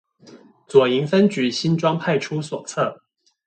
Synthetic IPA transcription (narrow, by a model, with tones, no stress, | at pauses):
t͡swɔ˨˩i˧˥ŋfə˥nt͡ɕy˨˧˥ɕi˥nʈ͡ʂwɑ˥ŋpʰa˥˩ɪʈ͡ʂʰu˥swɔ˨˩t͡sʰɤ˥˩